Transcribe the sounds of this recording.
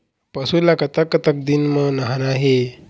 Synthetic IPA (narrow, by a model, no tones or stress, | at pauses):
pəsulakət̪akːət̪ək̚d̪inmənaɦanaɦe